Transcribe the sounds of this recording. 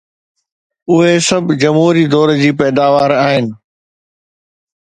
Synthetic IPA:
ʊɦesɐbʱd͡ʑɐmɦuːɾid̪ɔːɾd͡ʑiːpɛːd̪aːʋaːɾaːɦɪnɪ̆

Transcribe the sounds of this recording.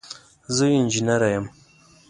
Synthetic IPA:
zəind͡ʒinaɾajam

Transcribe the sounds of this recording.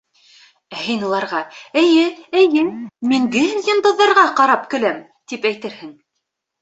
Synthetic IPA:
æhĭjnɤ̆lˠɑɾʁɑɘ̆jɘɘ̆jɘmiŋɡɘjɤ̆nd̪ɤ̆ðːɑɾʁɑqɑɾɑpkɵ̆læm | t̪ipæjt̪ɘɾhɘŋ

